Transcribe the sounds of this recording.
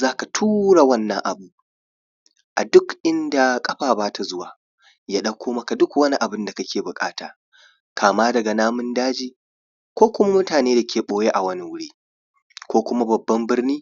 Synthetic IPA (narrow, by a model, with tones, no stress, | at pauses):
zaː˦ka˨tʰuː˦ɽa˨wɐ˦nːɐ˦ŋʔa̰˨buː˦ | ʔa˨dʊ˦kʔɪ˦nda˨kʼɐ˦ɸaː˨baː˦tʰa˨zʊ˦waː˨ | jaː˦ɗɐ˦kʷʰːoː˦mɐ˦ka˨dʊ˦kwɐ˦ni˦ʔa˨bɪ˦nda˨kɐ˦kʲeː˨bʊ˨kʼa̰ː˦taː˨ | kʰaː˨maː˦dɐ˨ɡa˨naː˦mʊ˦ndaː˦d͡ʒiː˦ | kʷoː˦kʷʊ˦ma˦mʊ˦taː˨neː˦da˨kʲeː˨ɓoː˦je˦ʔa˨wɐ˦ni˨wʊ˦ɽiː˦ | kʷoː˦kʷʊ˦ma˦bɐ˨bːɐ˦mbɪ˦rniː˦